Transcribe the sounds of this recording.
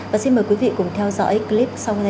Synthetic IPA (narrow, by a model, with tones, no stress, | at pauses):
vaː˨˩si˧nməː˨˩jkwi˨˦vḭ˧˨kʊ˨˩ŋ͡mt̪ʰɛ˧wzɔ̰ː˧˥jkli˦˥p̚sa˧whn